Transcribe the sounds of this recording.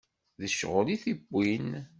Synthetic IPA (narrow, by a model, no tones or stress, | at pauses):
ðəʃʁəliθibːin